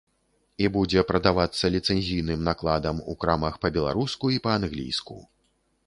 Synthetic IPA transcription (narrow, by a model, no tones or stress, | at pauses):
ibud͡zʲɛpɾɐd̪avat̪sːɐlʲit̪sɛnʲzʲijnɨmnaklˠad̪ɐmṵkɾamɐxpɐbʲɛlˠa̰ɾuskuipɐanɣlʲḭjskṵ